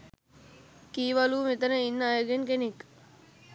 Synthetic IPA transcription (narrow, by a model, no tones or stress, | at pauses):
kiːʋaluːmit̪ənəinːəaːjəɡeŋkenek